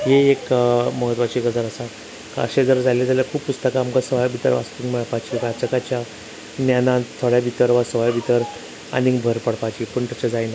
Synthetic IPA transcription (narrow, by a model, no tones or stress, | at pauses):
ɦeekməɦət̪ʋat͡ɕiːɡəd͡zaɾəsa | ka̰ɕed͡zəɾd͡zaled͡zaljakʰuːppːust̪əkaːmkasəʋajbʱit̪əɾʋa̰st̪iŋməɭpat͡ɕiɾad͡zəkat͡ɕja | njanãt̪ʰoɽjabʱit̪əɾʋasəʋajbʱit̪əɾ | a̰nibʱəɾpəɽpat͡ɕipəɳt̪at͡ɕad͡zajna